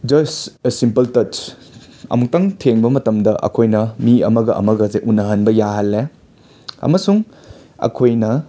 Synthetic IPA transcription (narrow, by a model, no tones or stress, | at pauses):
d͡ʒɐsesimpɐltɐt͡ʃ | ɐ̰muk̚tɐŋtʰeŋbɐmɐtɐmdɐʔɐ̰kʰojnɐmiɐmɐɡɐʔɐ̰mɐɡɐzeʔunɐɦɐnbɐjaɦɐlːe | ɐ̰mɐsuŋ | ɐ̰kʰojnɐ